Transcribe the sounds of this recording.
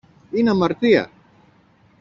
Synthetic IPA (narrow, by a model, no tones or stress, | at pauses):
inamaɾt̪ia̰